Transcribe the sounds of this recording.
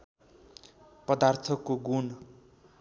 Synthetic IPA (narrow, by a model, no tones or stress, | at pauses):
pʌd̪art̪ʰʌkːoɡun